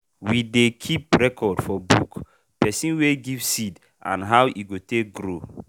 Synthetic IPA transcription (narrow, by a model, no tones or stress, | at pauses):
widekʰipɹɛkʰɔdfɔbṵk | pɛsĩnweɡivsid | ʔã̰nɦawʔiɡotek̚ɡɾo